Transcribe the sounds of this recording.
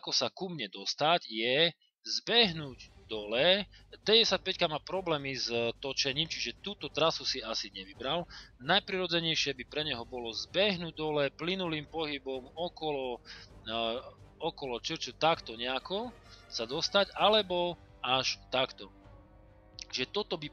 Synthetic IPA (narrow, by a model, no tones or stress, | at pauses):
akɔsakumɲɛd̪ɔst̪aɟjɛ | zbɛɦnuːɟd̪ɔlɛt̪ɛɟɛsac̚pɛckamapɾɔblɛːmizt̪ɔt͡ʃɛɲiːmt͡ʃiʒɛt̪uːt̪ɔt̪ɾasusiasiɲɛʋibɾalnajpɾiɾɔd͡zɛɲɛjʃɪɛbipɾɛɲɛɦɔbɔlɔzbɛɦnuːɟ̚d̪ɔlɛplinuliːmpɔɦibɔmɔkɔlɔ | ɔkɔlɔt͡ʃɾt͡ʃut̪akt̪ɔɲɛakɔ | sad̪ɔst̪aɟalɛbɔ | aʃt̪akt̪ɔ | ʒɛt̪ɔt̪ɔbi